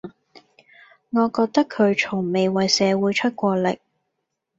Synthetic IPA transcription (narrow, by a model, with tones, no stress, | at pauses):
ŋɔː˨˧kɔː˧k̚t̪ɐ˥kʰɵ˨˧ɥt͡ʃʰʊ˨˩ŋme˨jwɐ˨jsɛː˨˧wuː˨˧˥jt͡ʃʰɵ˥t̚kʷɔː˧lɪ̰˨k̚